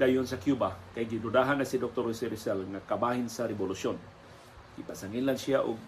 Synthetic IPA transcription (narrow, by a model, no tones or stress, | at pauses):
d̪ajʊnsakjubakajɡɪdʊd̪aɦanasid̪ok̚t̪oɾisɪɾɪsalŋakabahɪnsaɾɛbʊlʊsjon | ɡ̥ɪpasaŋinlansiaʔʊ̰ɡ̚